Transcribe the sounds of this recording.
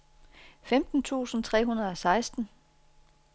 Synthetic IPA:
femd̥n̩t͡sʰṵːsn̩t͡sʰʁɛ̰ːɦunɐð̞̩ˠɒ̽sɑ̈ɪsd̥n̩

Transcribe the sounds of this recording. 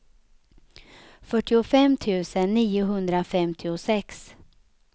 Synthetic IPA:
fœʈːɪʊfɛmːt̪ʰʉ̟ːsənːiːʊɦɵnd̪ɾafɛmt̪ʰɪʊsɛks

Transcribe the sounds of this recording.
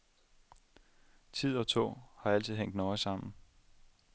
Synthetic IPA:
t͡sʰið̞̰ˠɒ̽t͡sʰɔ̰ːhɑ̈æl̰t͡sʰiðˠɦeŋ̰d̥nɒɪsɑ̈m̰n̩

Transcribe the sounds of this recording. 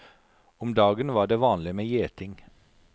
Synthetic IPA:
ʊmd̪ɑːɡənʋɑːɖeːʋɑːnlɪmeːjeːt̪ʰɪŋ

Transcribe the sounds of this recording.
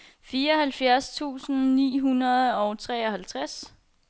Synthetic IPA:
fiːɐɒ̽hælfjæɐst͡sʰṵːsn̩nḭːɦunɐð̞ˠɒ̽ʊt͡sʰʁɛ̰ːɒ̽hælt͡sʰʁas

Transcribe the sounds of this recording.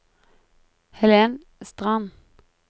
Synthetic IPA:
hɛleːn | st̪ʁɑn

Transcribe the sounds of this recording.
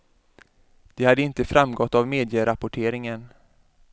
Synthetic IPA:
d̪̥ɛhad̪əɪnt̪əfɾamɡɔt̪ːavmeːd̪ɪjəɾapʊʈʰeːɾɪŋən

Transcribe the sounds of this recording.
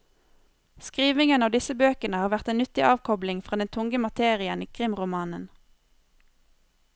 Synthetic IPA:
skʁiːʋɪŋənɑːʋd̪ɪsəbøːkənəhɑːʋæʁt̪eːnnʏt̪ɪʔɑːʋkʰɔblɪŋfʁɑːd̪ɛnt̪ʰʊŋɡəmɑt̪ʰeːʁɪəniːkʰʁɪmʁʊmɑːnən

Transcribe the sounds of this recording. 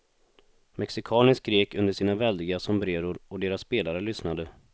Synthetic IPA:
mɛksɪkʰɑːnəskɾeːkɵnd̪əʂiːnavɛld̪ɪɡasɔmbɾeːɾʊɾɔd̪eːɾasːpeːlaɾəlʏsnad̪ə

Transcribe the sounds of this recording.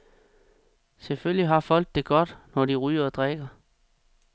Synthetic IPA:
seføljiɦɑ̈fɒ̽l̰d̥ːe̝ɡ̥ɒ̽d̥nɒdiʁyːɐd̥ʁɛɡ̥ɐ

